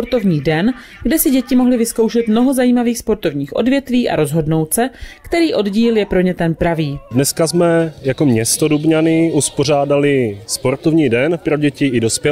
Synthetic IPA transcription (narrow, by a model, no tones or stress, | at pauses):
poɾt̪o̞vɲiːdɛn | ɡdɛsɪɟɛcɪmo̞ɦlɪvɪsko̞wʃɛt̪mno̞ɦo̞zajiːmaviːxspo̞ɾt̪o̞vɲiːxʔo̞̰dvjɛt̪viːʔa̰ɾo̞zɦo̞dno̞wt͡sɛkt̪ɛɾiːʔo̞dɟiːljɛpɾo̞ɲɛt̪ɛnpɾaviːdnɛskazmɛjako̞mɲɛst̪o̞dubɲanɪʔuspoɾ̝aːdalɪspo̞ɾt̪ovɲiːdɛnpɾoɟɛcɪɪdo̞spjɛ